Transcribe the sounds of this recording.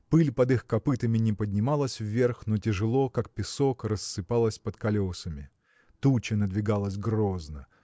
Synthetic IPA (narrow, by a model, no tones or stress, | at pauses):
pɨlʲpɐd̪ɨxkɐpɨt̪əmʲɪnʲɪpədʲnʲɪmalˠəsʲvːʲe̞rxnotʲɪʐɨlˠo̞kak̚pʲɪsokrəsːɨpalˠəsʲpət̪kɐlʲo̞səmʲɪ̰ | t̪ut͡ɕɪnəd̪vʲɪɡalˠəsʲɡroznə̰